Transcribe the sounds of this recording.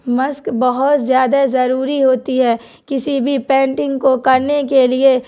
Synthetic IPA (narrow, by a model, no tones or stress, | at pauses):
mɐskbɐɦʊt̪zjaːd̪azɐɾuːɾiɦoːt̪iɦɛː | kɪsibʱipɛ̃ːɳʈɪ̃ŋɡkokɐɾnekelie